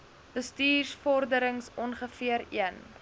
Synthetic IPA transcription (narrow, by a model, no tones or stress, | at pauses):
bəstiːrsfɔrdəɾəŋsɔnχəfiəɾḭən